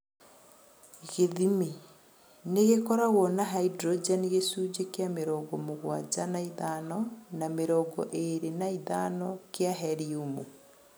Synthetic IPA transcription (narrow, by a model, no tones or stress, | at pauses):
ɣeðime | neɣekɔɾaɣwɔnaɦaidɾɔd͡ʒaniɣesuːd͡ʑekeameɾɔɡɔmoɣwad͡ʑanaiðanɔnameɾɔɡɔ̰ʔeɾenaiðanɔkeaɦɛɾiumu